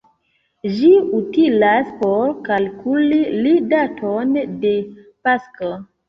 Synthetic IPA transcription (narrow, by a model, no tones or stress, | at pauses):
d͡ʒiutilaspoɾkalkʰulilidatʰonde̞ | pasko